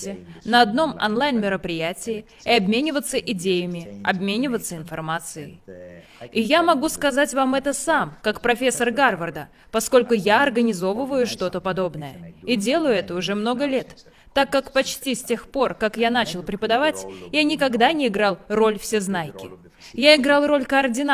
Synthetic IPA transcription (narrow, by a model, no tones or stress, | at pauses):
tʲɪnəɐd̪no̞mɐ̰nlˠajnmʲɪɾəpɾʲɪjætʲɪɪ | ɪɐbmʲenʲɪvət̪səʔɪdʲejəmʲɪɐbmʲenʲɪvət̪səɪnfɐrmat̪sɨjɪ | ɪjamɐɡuskɐzatʲvamɛt̪əsamkakpɾɐfʲe̞sːərɡarvərd̪ə | pɐsko̞lʲkʊjaɐrɡənʲɪzo̞vəvəjʊʂt̪o̞t̪əpɐd̪o̞bnəjəiɪdʲe̞lˠəjʊɛt̪əʊʐɛmno̞ɡəlʲe̞t̪ː | akːakpɐt͡ɕtʲisʲtʲe̞xpo̞rkakjan̪at͡ɕɪlˠpɾʲɪpəd̪ɐvatʲjanʲɪkɐɡd̪anʲɪɪɡɾalˠro̞lʲfsʲeznajkʲɪ | jaɪɡɾalˠro̞lʲkəɐrdʲɪna